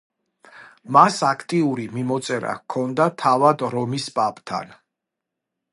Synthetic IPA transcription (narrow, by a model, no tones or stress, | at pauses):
masakʰt̪ʼiuɾimimɔt̪sʼɛɾa̰kʰɔnd̪at̪ʰavad̪ɾɔmispʼapʼt̪ʰa̰n